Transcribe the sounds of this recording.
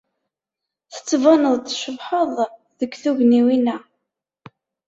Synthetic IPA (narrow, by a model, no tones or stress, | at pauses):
θə̥t͡sːvɑnəðˤt̪ʃəvħoðˤ | ðəkːθuʝniwinæ